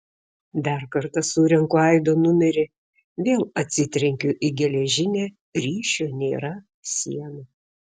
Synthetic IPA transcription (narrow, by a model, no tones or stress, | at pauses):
d̪ɑˑɾkɐɾt̪ɐsuːɾʲɛŋkʊɛɪd̪oːnʊmʲɛɾʲɪ | ʋʲeːlˠɐt̪ʲsʲɪt̪ʲɾʲɛŋʲkʲʊʔɪɡʲɛlʲɛʒʲɪnʲe | ɾʲiːʃʲoːnʲeːɾɐ | sʲḭɛno